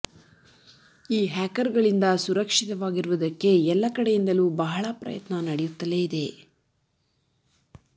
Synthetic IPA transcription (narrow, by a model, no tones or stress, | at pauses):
iːɦaːkɐɾɡɐɭind̪ɐsuɾɐkʂit̪ɐʋaːɡiɾuʋud̪ɐkːe̞ɛlːɐkɐɽejind̪ɐluːbɐɦɐɭɐpɾɐ̰jɐ̰t̪nɐnɐɽɛjut̪ːɐleːid̪e̞